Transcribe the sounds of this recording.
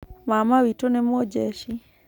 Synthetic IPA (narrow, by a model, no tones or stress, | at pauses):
mamawitonɛmɔd͡ʒɛʃi